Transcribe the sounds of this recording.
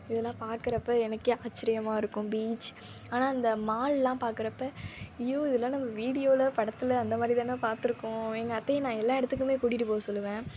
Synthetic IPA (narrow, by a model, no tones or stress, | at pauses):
ɪðɐlːãːpaːɾkɯɾɐpːɐɛnɐkːɯaːt͡ʃːɪɾɪjɐmaːɪɾɯkːʊ̃biːt͡ʃ | aːnaːɐnd̪ɐmaːllãːpaːɾkɯɾɐpːɐɪjoːɪðɐlːãːnɐmːɐʋiːɽɪjoːlɐpɐɽɐt̪ːɪlɐːnd̪ɐmaːd̪ɾɪt̪ãːnãːpaːɾt̪ɯɾɯkːʊ̃ɛŋɡɐɐt̪ːɐjɐ̃nãːɛlːãːɛɽɯt̪ːɯk̬ːɯmeːkʊɽɪʈːɯpoːɐsɔlːɯʋẽː